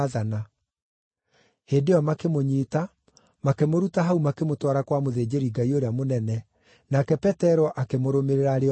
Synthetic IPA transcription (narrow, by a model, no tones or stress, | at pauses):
ðana | heːdejɔmakemoɲiːta | makemoɾutaɦaumakemotwaɾakwamoðeːd͡ʑeɾiŋɡaioɾeamonɛnɛ | nakɛpɛtɛɾɔʔakemoɾomeɾeɾaɾe